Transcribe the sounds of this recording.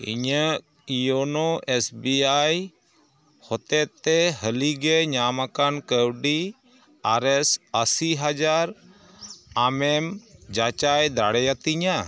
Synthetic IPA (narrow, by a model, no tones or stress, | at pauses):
ḭɲə | ijonoʔesbiaj | hɔt̪ɛt̪ːɛɦəliɡeɲamakankəwɖi | aɾɛsəsiɦad͡ʒaɾ | amɛmd͡ʒat͡ʃajd̪aɽɛjat̪iɲa